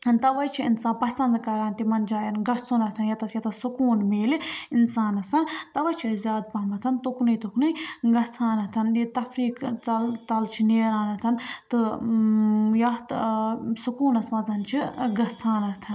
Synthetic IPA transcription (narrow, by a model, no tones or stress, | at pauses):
nt̪ɐʋɐt͡ʃʰiinsaːnpɐsɐnd̪kɐɾaːnt̪imɐnd͡ʒaːjɐnɡɐsunɐt̪ʰɐnjɐt̪ɐsjɐt̪ʰɐsukuːnmeːliinsaːnɐsɐnt̪ɐʋɐt͡ʃʰizʲjaːd̪̚pɐɦmɐt̪ʰɐnt̪uknɨjt̪uknɨɡɐsaːnɐt̪ʰɐnit̪ɐfɾiːkt͡sɐlt͡sɐlt͡ʃʰineːɾaːnɐt̪ʰɐnt̪ɨ | jɐt̪sukuːnɐsmɐzɐnt͡ʃʰiɡɐsaːnɐt̪ʰɐn